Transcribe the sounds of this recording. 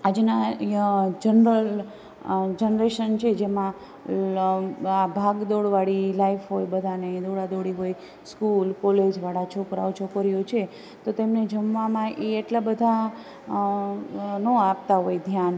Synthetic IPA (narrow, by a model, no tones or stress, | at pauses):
ad͡ʒna | d͡ʒənɾəl | d͡ʒənɾeʃənt͡ʃʰed͡ʒemã | abʱaɡd̪oɽʋaɽilaifɦojbəd̪ʱaneĩd̪oɽad̪oɽiɦoj | skulkoled͡ʒʋaɽat͡ʃʰokɾa̰wt͡ʃʰokəɾjot͡ʃʰe | t̪ot̪emned͡ʒəmʋamãʔeeʈlabəd̪ʱa | nõap̚t̪aɦojd̪ʱjan